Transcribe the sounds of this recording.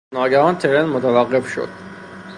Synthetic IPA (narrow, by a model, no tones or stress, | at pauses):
nɒːɡæhɒːnt̪ʰeɾenmot̪ʰævæɣːe̞fʃo̰d̪̥̚